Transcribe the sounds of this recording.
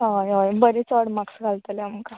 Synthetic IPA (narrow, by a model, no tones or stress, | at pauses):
ɦajojbəɾit͡sɔɽmaksɡʱalt̪əlaməka